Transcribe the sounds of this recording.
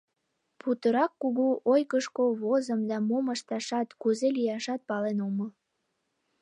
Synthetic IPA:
put̪əɾɑkːuɣuʔojkəʃkoβozəmd̪ɑmoməʃt̪ɑʃɑt̪kuzelijɑʃɑt̪̚pɑlenoməl

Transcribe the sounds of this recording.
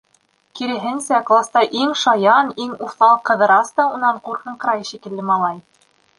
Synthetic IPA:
kiɾɘ̆ɦɘ̆nsæklˠast̪ɑʔiŋʃɑjɑniŋuχθɑlˠɤqːɤ̆ðɤ̆ɾɑst̪ɑunːɑɴquɾqɤ̆ɴqɤ̆ɾɑjʃikɘ̆lːɘmɑlˠɑj

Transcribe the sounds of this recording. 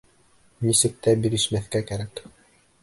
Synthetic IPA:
nisɘ̆k̚t̪æbiɾɘ̆ʃmæθkækæɾæk

